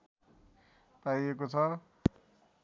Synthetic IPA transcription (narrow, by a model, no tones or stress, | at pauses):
paijekot͡sʰʌ